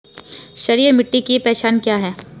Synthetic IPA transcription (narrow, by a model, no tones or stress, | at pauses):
ʃɐɾiːɾmɪʈːikipɛːʃaːnkjaːɦɛː